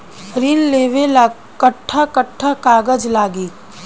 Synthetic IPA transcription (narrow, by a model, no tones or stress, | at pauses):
ɾiːnleːʋela | kəʈʰːakəʈʰːakaːɡəd͡ʒlaːɡiː